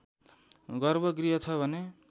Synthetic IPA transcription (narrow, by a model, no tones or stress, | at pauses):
ɡʌrbʌɡriɦʌt͡sʰʌbʱʌne